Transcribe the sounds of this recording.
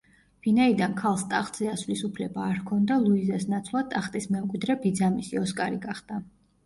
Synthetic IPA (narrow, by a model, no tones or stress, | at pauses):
vinaid̪ankʰalˠst̪ʼaχt̪ʼz̥ɛasvlisupʰlɛbaːɾkʰɔnd̪alˠuizasnat̪sʰvlˠat̪ʼaχt̪ʼismɛmkʼwid̪ɾɛbid̪zamisiɔskʼaɾiɡaχd̪a